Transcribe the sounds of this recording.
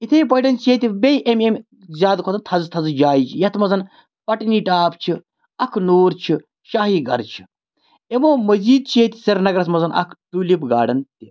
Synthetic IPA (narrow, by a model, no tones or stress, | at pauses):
it̪ʰeipɐiɖɐnt͡ʃʰeːt̪ʲibejʔememʲ | zʲaːd̪kʰot̪ɐnt̪ʰɐzt̪ʰɐzd͡ʒaːjit͡ʃʰijɐt̪ʰmɐzɐn | pɐʈniːʈaːpt͡ʃʰi | ɐkʰnoːɾt͡ʃʰi | ʃaːɦiːɡɐ̰ɾt͡ʃʰi̥ | emoːmɐziːd̪̚t͡ʃʰiet̪ʲi̥sɐɾnɐɡɾɐsmɐzɐnʔɐ̰kʰt̪ulipɡa̰ːɖɐnt̪i